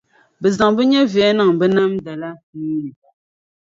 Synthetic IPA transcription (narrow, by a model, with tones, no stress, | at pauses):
bə˨za˨ŋbə˦ɲɛ˦vjɛ˨˦na˨ŋbə˦na˦m˦da˨la˦ni˦ni˨